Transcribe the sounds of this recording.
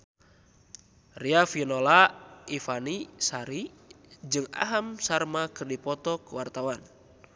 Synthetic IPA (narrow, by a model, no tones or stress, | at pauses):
riafinolaifanisaɾi | d͡ʒɨŋa̰ɦamsarmakɨrdipɔt̪ɔkəwart̪awan